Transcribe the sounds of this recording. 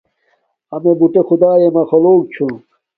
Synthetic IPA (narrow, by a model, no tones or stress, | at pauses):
ɐmebuʈexud̪aːjemɐxoloːk̚t͡ɕʰũ